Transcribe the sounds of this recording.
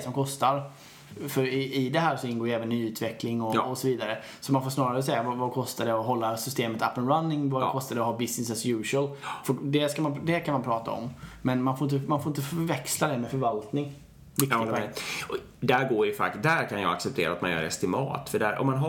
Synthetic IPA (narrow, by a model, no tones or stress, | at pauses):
sɔmkʰɔst̪aɾ | fœɾɪɪd̪ɛɦæːɾʂɔɪnɡoːjɛːvənːyːʉ̟ːt̪ʰvɛklɪŋɔɔsɔviːd̪aɾə | sɔmanfoːʂnɑːɾaɾəs̬ɛjːavavakʰɔst̪ad̪ɛɔɦɔlːasʏst̪eːmət̪ʰapːənɾanːɪŋvakʰɔst̪ad̪əɔɦɑːbɪsnɪs̬ɛsjʉːʂəlfɔd̪ɛskamand̪ɛkʰanmanpʰɾɑːt̪a̰ɔ̰mmɛnmanfoːɾɪnt̪əmanfoːɾɪnt̪əfœɾvɛkslad̪ɛmɛfœɾvalt̪nɪŋ | vɪk̪ːɪɔ | d̪æɾɡoːɾjəfa̰td̪æɾkʰanjɑ̰ɡaksɛp̚t̪ʰḛːɾa̰t̪ma̰njœ̰ːɾɛ̰st̪ɪmɑ̰ːt̪fœɖæ̰ɾʔɔ̰mːanɦa